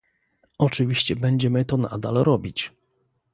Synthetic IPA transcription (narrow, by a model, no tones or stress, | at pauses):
ɔt͡ʂɘvʲiɕt͡ɕɛbɛɲd͡ʑɛmɘt̪ɔna̰d̪a̰lɾɔbʲit͡ɕ